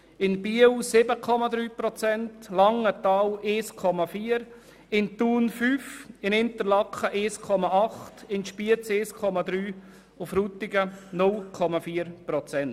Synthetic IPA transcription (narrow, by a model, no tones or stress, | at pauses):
ɪnbiəwsɪbəkʰɔmɑd̪ɾyːpɾɔt͡sɛntlɑŋətɑːweːskʰɔmafiːəɾ | ɪnt̪uːnfyːfɪnɪnt̪əɾlɑkχəʔeːskʰɔmɑʔɑχtɪnʃpiət͡seːskʰɔmɑd̪ɾyː | ʊfɾuːt̪ɪɡənʊlkʰɔmafiːəɾpɾɔt͡sɛnt